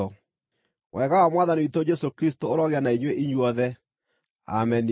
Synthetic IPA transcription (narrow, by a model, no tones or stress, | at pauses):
ɔ | wʔɛɣawamwaðaniitod͡ʒɛsokɾis̬tooɾɔɣeanaiɲweʔiɲwɔðɛ | a̰mɛni